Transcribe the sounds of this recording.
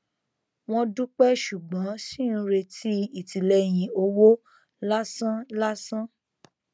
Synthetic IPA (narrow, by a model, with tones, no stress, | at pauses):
w̃ɔ̃˦dũ˦k͡pɛ˦ʃu˨ɡ͡bɔ̃˨˦sĩ˦˨ñ̩˧ɾe˧tʰi˦i˨ti˨lɛ˧j̃ĩ˧o˧wo˦ | la˦sã˦la˦sã˦